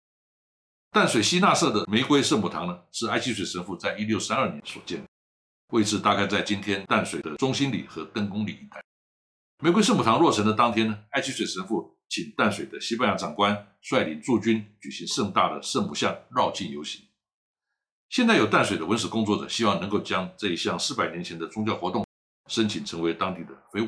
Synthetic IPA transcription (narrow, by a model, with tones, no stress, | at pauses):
t̪a˥˩nswe˨˩ɪɕi˥na˥˧sɤ˥˩d̪ə˩me˧˥ɪkwe˥ɪʂɤ˥˩mu˨˩t̪ʰɑ˧˥ŋnə˧ʂɻ̩˥˩a˥ɪt͡ɕʰi˥s̬we˨˩ɪʂə˧˥nfu˥˧t͡sa˥˩ɪi˥ljo˥˩ʊsa˥nə˞˥˩njɛ˧˦˥nswɔ̰˨˩t͡ɕjɛ˥˩nd̪ə˨˩ | we˥˧ɪt͡sʰɹ̩˥˩t̪a˥kʰa˥ɪt͡sa˥˩ɪt͡ɕi˥nt̪ʰjɛ˥nt̪a˥˩nswe˨˩ɪd̪ə˦ʈ͡ʂʊ˥ŋɕi˥nlḭ˨˩xɤ˧˥t̪ə˥ŋkʊ˥ŋlḭ˨˩i˧˩t̪a˥˩ɪ | me˧˥kwɪʂɤ˥˩mu˨˩ɑ˧˥ŋlwɔ˥˩ʈ͡ʂʰɤ˧˥ŋd̪ə˧t̪ɑ˥ŋt̪ʰjɛ˥nə˨a˥ɪt͡ɕʰi˥swe˨ɪʂə˧˥nfu˥˩ | t͡ɕʰi˨˩nt̪a˥˩nswe˨˩ɪd̪ə˦ɕi˥pa˥˧nja˧˥˩ʈ͡ʂɑ˨˩ŋkwa˦n | ʂwa˥˩ɪli˧˥nt͡su˥˩t͡ɕy˥nt͡ɕy˨˩ɕi˧˥ŋʂə˥˧ŋt̪a̰˥˩d̪ə˩ʂə˥˧ŋmu˨˩ɕjɑ˥˧ŋɻɑ˥˧ʊt͡ɕi˥˩njo˧˥ʊɕi˧˥ŋ | ɕjɛ˥˧nt͡sa˥˩ɪjo˨˩t̪a˥˩nswe˨˩ɪd̪ə˧wə˧˥nʂ̬̩˨˩kʊ˥ŋt͡swɔ˥˩ʈ͡ʂɤ̰˨˩ɕi˥wɑ˥˩ŋnɤ˧˥ŋko˥˩ʊt͡ɕjɑ˥ŋʈ͡ʂɤ˥˧i˥ɕjɑ˥˩ŋʂɹ̩˥˩pa˨˩ɪnjɛ˧˥nt͡ɕʰɛ˧˥nd̪ə˧t͡sʊ˥ŋt͡ɕjɑ˥˩ʊxwɔ˧˥t̪ʊ˥˩ŋ | ʂə˥nt͡ɕʰi˨˩nʈ͡ʂʰɤ˧˥ŋwe˧˥ɪt̪ɑ˥ŋt̪i˥˩d̪ə˩fe˥ɪ˥˩